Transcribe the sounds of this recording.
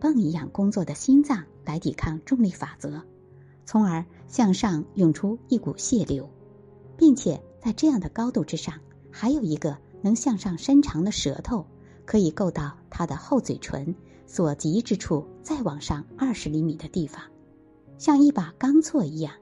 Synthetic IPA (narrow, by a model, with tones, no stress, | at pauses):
pɑ˥˧ŋi˧˥jɑ˥˩ŋkʊ˥ŋt͡swɔ˥˩d̪ə˩ɕi˥nt͡sɑ˥˩ŋ | la˧˥ɪt̪i˨˩kʰɑ˥˧ŋʈ͡ʂʊ˥˧ŋli˥˩fa˨˩t͡sɤ˧˥ | t͡sʰʊ˧˥ŋə˞˧˥ɕjɑ˥˧ŋʂɑ˥˧ŋjʊ˥˩ŋʈ͡ʂʰu˥i˥˩ku˨˩ɕjɛ˥˩ljo˧˥ʊ | pi˥˩ŋt͡ɕʰjɛ˨˩t͡sa˥˧ɪʈ͡ʂɤ˥˧jɑ˥˩ŋd̪ə˩kɑ˥ʊt̪u˥˩ʈ͡ʂɻ̩˥ʂɑ˥˩ŋ | xa˧˥ɪjo˨˩ʊi˧˥ɡə˧nɤ˧˥ŋɕjɑ˥˧ŋʂɑ˥˩ŋʂə˥nʈ͡ʂʰɑ˧˥ŋd̪ə˧ʂɤ˧˥t̪ʰo˥˩ʊ | kʰɤ˧˥i˨˩ko˥˧ʊt̪ɑ˥˩ʊt̪ʰa˥d̪ə˨xo˥˩ʊt͡swe˨˩ɪʈ͡ʂʰwə̰˧˥n | swɔ˨˩t͡ɕi˧˥ʈ͡ʂɻ̩˥ʈ͡ʂʰu˥˧t͡sa˥˩ɪwɑ˨˩ŋʂɑ˥˧ŋɐ˞˥˩ʂɻ̩˧˥li˧˥mi˨˩d̪ə˦t̪i˥˩fɑ˩ŋ | ɕjɑ˥˧ŋi˥˩pa˨˩kɑ˥ŋt͡sʰwɔ˥˩i˧˥jɑ˥˩ŋ